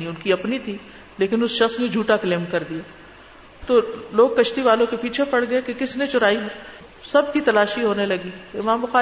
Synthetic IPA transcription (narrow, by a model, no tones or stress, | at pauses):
iʊnkiɐpnit̪ʰi | leːkɪnʊsʃɐxsned͡ʒʱuːʈakleːmkɐɾd̪ijaː | t̪oːloːɡ̚kɐʃt̪iʋaːlõkepiːt͡ʃʰepɐɽ̤ɡɐekekɪsnet͡ʃʊɾaːi | sɐb̚ʱkit̪ɐlaːʃiɦoːnelɐɡiːɪmãːmbʊxaː